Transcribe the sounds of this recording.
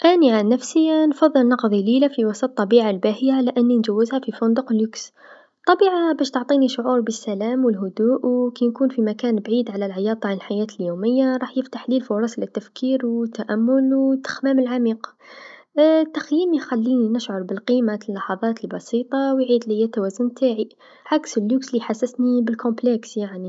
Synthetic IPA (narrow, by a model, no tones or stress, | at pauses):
ʔæniʕanːæfsinfɑðˤːəlnɑqðˤililafiwɑsˤɑt̪ˤːɑbiʕalbæhəjaʕlæʔənːind͡ʒæwːəzhæfifʊnd̪ʊqlːuks | t̪ˤːɑbiʕabæʃt̪oʕt̪ˤiniʃʕuɾˤbəsːælæmwəlɦʊd̪uːʔwkænkunfimækænbʕid̪ʕalælʕjɑt̪ˤɑʕanəlħajæt̪əljuməjːaɾˤɑħjəft̪aħlilfʊɾˤɑslæt̪ːæfkiɾwt̪ːaʔæmːʊlwt̪ːə̥xmæməlʕamiːq | t̪ːaxjimixælːininəʃʕoɾˤbəlqimalːɑħɑðˤɑt̪əlbɑsit̪ˤɑwjʕid̪lɪjːæt̪ːæwæzʊnt̪ʰaʕi | ʕaksəlːuksliħasːəsnibəlkʊ̃mplɛksjaʕni